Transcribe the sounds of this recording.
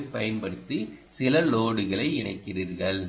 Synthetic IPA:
pːɐjɐnpɐɽɯt̪ːɯsɪlɐloːɽɯɣɐɭɐɪɪɳɐɪkːɪriːɾɣɐɭ

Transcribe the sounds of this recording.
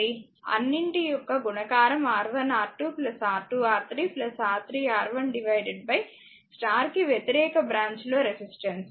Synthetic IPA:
i | ɐ̰nːiɳʈijɔkːɐɡunɐɡaːɾɐmaːɾʋɐnaːɾʈːuplɐsaːɾʈːuaːɾt̪ɾiːplɐsaːɾt̪ʰɾiːaːɾʋɐnɖiʋɐjɖeɖ̚bɐj | sʈaːɾkiʋjet̪iɾɛːkɐbɾaːɲt͡ʃlo̞ːɾesisʈeɳs

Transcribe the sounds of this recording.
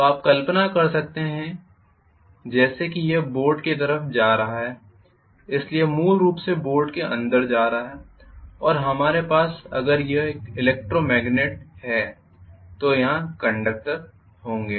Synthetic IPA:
t̪oaːp̚kɐlpənakɐɾsɐk̚t̪eɦɛ̃ | d͡ʒɛːsekijeboːɾɖket̪ɐɾəfd͡ʒaːɾɐɦaɦɛː | ɪsliemuːlɾuːpseboːɾɖkeʔɐ̰̃nd̪əɾd͡ʒaːɾɐɦaɦɛː | ɔːɾɦɐmaːɾepaːsɐ̰ɡəɾjɐeːkɪleːk̚ʈɾomɛːɡneʈ̚hɛː | t̪ojɐɦãkɐ̃ɳɖək̚ʈəɾ | hõːŋɡeː

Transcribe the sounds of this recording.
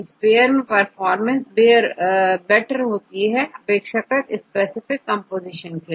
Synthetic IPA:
ɪspeːəɾmẽpɐɾfɔːɾmə̃nsbeːɾbɛʈəɾɦoːt̪iɦɛʔɐpeːkʃəkət̪ɪspeːsɪfɪkːɐ̃mpoːzɪʃə̃nke

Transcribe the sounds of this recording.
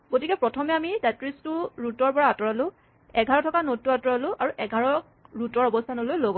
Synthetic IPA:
ɡotikɛpɹɔtʰɔmɛamitatɹistʊɹutɔɹpɔɹaatɔɹalʊ̃ | ɛɡʱaɹɔtʰɔkanotːuatɔɹalʊ̃ʔaɹuʔɛɡʱaɹɔk | ɹutɔɹɔbɔstʰanɔlojloɡɔ

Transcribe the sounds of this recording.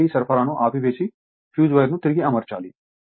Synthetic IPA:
isɐɾfʰəɾãːnũʔaːpʰibeːsi | pʰjuːd͡ʒʋɐjɾnũt̪ɪɾɡiɐməɾt͡ʃa̰ːliː

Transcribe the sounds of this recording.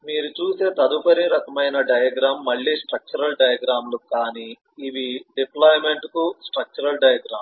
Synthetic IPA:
miːɾut͡ʃuːse̞ːt̪ɐd̪upʰɐɾiɾɐkɐmɐjnɐɖɐjɐɡɾaːmːɐɭːiːsʈɾɐk̚t͡ʃuɾɐlɖɐjɐɡɾaːmlukaːniː | ʋiɖiplaːjme̞ɳʈkusʈɾɐk̚t͡ʃuɾɐlɖɐjɐɡɾaːm

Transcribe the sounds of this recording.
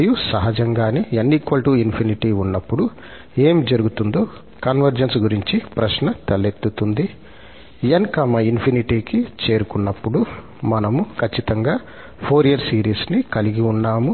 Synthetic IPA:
jusɐɦɐd͡ʒɐŋɡaːniɐnːikʋɐlʈuːinpʰiniʈiːunːɐpːuɽu | e̞ːmd͡ʒɐɾuɡut̪und̪o̞ː | kɐnʋɐɾd͡ʒɐnsɡuɾiɲt͡ʃipɾɐʃnɐt̪ɐlet̪ːut̪und̪i | ɐnkɐːmɐinpʰiniʈiːkit͡ʃeːɾukunːɐpːuɽu | mɐnɐmukʰɐt͡ʃːit̪ɐŋɡaː | pʰo̞ːɾijɐɾsiːɾiːsnikɐliɡiunːaːmu

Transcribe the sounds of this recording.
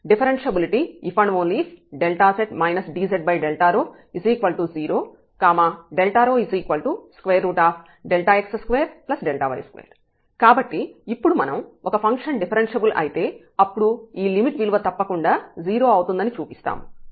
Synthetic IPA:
ɖipʰɐɾenʂɐbiliʈiːpʰɐɳʋoːnliːsɖelʈaːseʈmɐjnɐsɖiːseɖ̚bɐjɖelʈaːɾoː | isiːkʋɐlʈuːziːɾoː | kaːmaːɖelʈaːɾoːisiːkʋɐlʈuːskʋeːɾːuːʈaːpʰ | ɖelʈaːeksɐskʋeːɾplɐsɖelʈaːʋɐ̰j̰skʋḛːɾ | kaːbɐʈːiːpːuɽumɐnɐmʔɔkɐpʰɐŋkʂɐnɖipʰɐɾenʃɐbulʔɐ̰jit̪e̞ː | ɐpːuɽuiːlimiʈʋiluʋɐt̪ɐpːɐkuɳɖaːziːɾo̞ːɐwut̪und̪ɐnit͡ʃuːpist̪a̰ːmu

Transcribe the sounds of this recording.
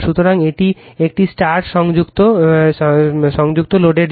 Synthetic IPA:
ʃut̪ʰoɾaŋeʈiek̚ʈisʈaɾʈʃɔŋd͡ʑukt̪o | ʃɔŋd͡ʑuk̚t̪oloɖeɖ

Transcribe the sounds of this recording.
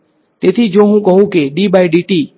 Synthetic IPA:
t̪et̪ʰid͡ʒõːɦũkɔɦũkeɖibajɖiʈiː

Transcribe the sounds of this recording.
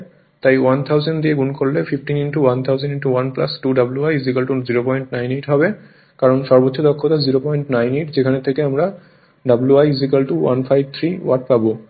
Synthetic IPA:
t̪ajwant̪ʰawzenɖd̪ieɡunkʰolːefʰifʈininʈuwant̪ʰawzenɖiɳʈuwanplasʈuɖabuluajzikalʈuziɾopɔjɳʈnajneʈɦɔbe | kaɾɔnʃɔɾbot̪ːʃʰod̪ɔkʰːot̪aziɾopɔjiɳʈnajneʈd͡ʑekʰanet̪ʰekeamɾa | ɖabuluajzikalʈuwʔa̰nfʰajb̚t̪ʰɾiwaʈ̚ʰpabo

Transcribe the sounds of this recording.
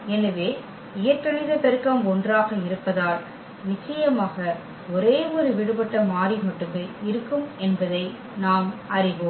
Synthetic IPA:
ɛnɐʋeː | ɪjɐʈʈːɐɭɪðɐpɛɾɯkːɐmɔndraːɣɐɪɾɯpːɐðaːl | nɪt͡ʃːɐjɐmaːɣɐ | ɔɾeːɔɾɯʋɪɽɯpɐʈːɐmaːɾimɐʈːɯmeɪɾɯkːɯmɛnbɐðɐɪ | naːmɐrɪʋoːm

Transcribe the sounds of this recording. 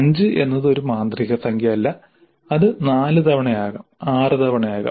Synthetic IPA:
ɐɲd͡ʑɨʔe̞nːɐðɨo̞ɾumaːnd̪riɣɐsɐŋɡjɐɐlːɐ | ɐðɨnaːlɨt̪ɐʋɐɳɐjaːɣɐmaːrɨt̪ɐʋɐɳɐjaːɣɐ̰m

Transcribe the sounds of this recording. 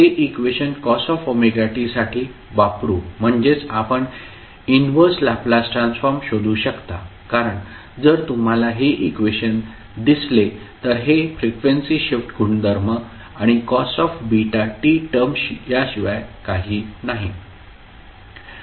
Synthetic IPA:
t̪eʔikʋeɕənkɔsɔfomeɡaʈisaʈʰiː | ʋapɾuːm̤əɳd͡ʑet͡sapəɳ | inʋəɾslaplasʈɾãnsfɔɾmɕod̪uːɕəkt̪a | kaɾəɳ | d͡zəɾt̪um̤alaɦeʔikʋeɕən | d̪isle | t̪əɾɦefɾikʋensiɕifʈɡʱuɳd̪əɾmə | aɽ̃ikɔsɔfbiʈaʈiʈəmɕijaɕiʋajkaɦiːnaɦi

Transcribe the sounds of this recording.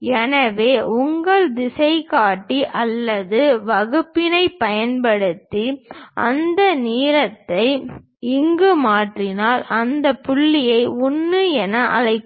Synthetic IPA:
ɛnɐʋeːʔʊŋɡɐɭd̪ɪsɐɪkaːʈːiʔɐlːɐðɯʋɐɣɯpːɪnɐɪpɐjɐnpɐɽɯt̪ːiʔɐ̰nd̪ɐniːɾɐt̪ːɐɪ | ɪŋɡɯmaːʈrɪnaːlɐnd̪ɐpʊɭːɪjɐɪʊnːɯɛnɐʔɐ̰ðɐɪkː

